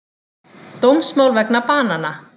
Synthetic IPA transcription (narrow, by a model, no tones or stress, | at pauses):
t̪owmsmawlvɛknapaːnana